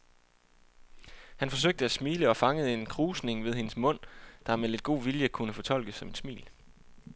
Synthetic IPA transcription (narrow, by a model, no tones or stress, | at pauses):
hænfɒ̽s̬øɡ̥̚d̥əæsmiːləɒ̽fɑ̈ŋəð̞̩ˠe̝nkʰʁuːsne̝ŋʋe̝ð̞ˠhe̝nəsmɔ̽n̰d̥ɑ̈mele̝d̥̚ɡ̥o̝̰ːʋiljəkʰunəfɒ̽t͡sʰɒ̽l̰ɡ̥əsːɒ̽me̝nsmḭːl